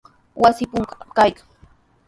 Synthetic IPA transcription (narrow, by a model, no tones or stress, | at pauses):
wasɪpʊŋkkajkḁŋ